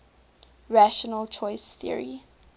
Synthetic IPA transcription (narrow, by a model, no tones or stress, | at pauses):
ɹaʃənəlt͡ʃʰɔɪsθḭə̰ɹḭ